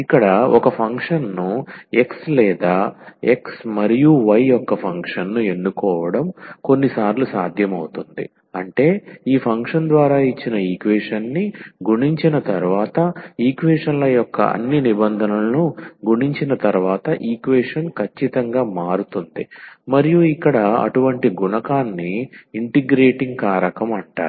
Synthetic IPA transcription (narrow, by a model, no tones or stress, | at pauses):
ikːɐɽɐɔkɐpʰɐŋkʂɐnːue̞kslɛːd̪aːe̞ksmɐɾijuʋɐjɔkːɐpʰɐŋkʂɐnːue̞nːukɔːʋɐɽɐmko̞nːisaːɾlusaːd̪ʱjɐmɐwut̪und̪ḭ | ɐɳʈe̞ːiːpʰɐŋkʂɐnd̪ʋaːɾaːit͡ʃːinɐiːkʋeːʂɐnːiɡuɳiɲt͡ʃinɐt̪ɐɾuʋaːt̪ɐiːkʋeːʂɐnlɐjjɔkːɐ̰ɐ̰nːinibɐnd̪ʱɐnɐlunuɡuɳiɲt͡ʃinɐt̪ɐɾʋaːt̪ɐʔiːkʋeːʂɐnkʰɐt͡ʃːit̪ɐŋɡaːmaːɾut̪und̪imɐɾijuikːɐɽɐɐ̰ʈuʋɐɳʈiɡuɳɐkaːnːiːɳʈiɡɾeːʈiŋɡ̚kaːɾɐkɐmɐɳʈa̰ːɾu